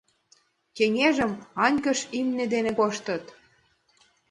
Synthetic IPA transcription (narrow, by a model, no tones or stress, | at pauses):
keŋʲeʒə̆mɑnʲkə̆ʃimnĕd̪enĕkoʃt̪ə̆t̪